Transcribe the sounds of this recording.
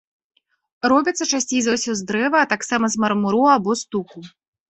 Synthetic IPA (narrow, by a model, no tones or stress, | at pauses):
ɾɔbʲit̪sːɐt͡ʂasʲt͡sʲejzawsʲɔzd̪ɾɛvɐːt̪aksamɐzmɐɾmuɾuabɔst̪uxu